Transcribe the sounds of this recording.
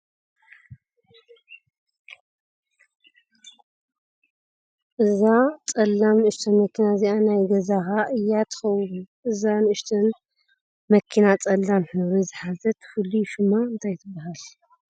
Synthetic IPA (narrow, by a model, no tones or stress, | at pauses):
ʔɨzat͡sʼɐlːamnɨʔɨʃt̪ʰɐnmɐkːinaziʔanajɡɐzaxaʔɨjːat̪ʰɨ̥xɐwːuʔɨzanɨɨʃt̪ʰɐn | mɐkʰːinat͡sʼɐlːanħɨβɾizɨħazɐt̪ʰɨ̥fɨlːiʃɪmːaɨnt̪ʰajt̪ʰɨbːaɦal